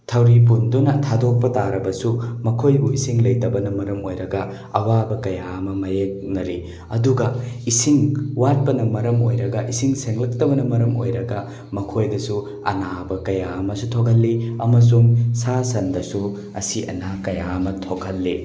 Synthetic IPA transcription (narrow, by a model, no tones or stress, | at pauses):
tʰɐwɾip̬undunɐtʰadok̚pɐtaɾɐbɐsumɐkʰojbuisiŋlɐjtɐbɐnɐmɐɾɐmojɾɐɡɐ | ɐwabɐkɐjamɐmɐjek̚nɐɾi | ɐduɡɐisiŋwat̚pɐnɐmɐɾɐmo̰jɾɐɡɐʔisiŋseŋlɐk̚tɐbɐnɐmɐɾɐmo̰jɾɐɡɐ | mɐkʰojdɐsu | ɐ̰nabɐkɐjaɐmɐsutʰoɡʰɐlːiɐmɐs̬uŋsasɐndɐsu | ɐ̰siʔɐ̰nakɐjamɐtʰoɡʰʱɐlːi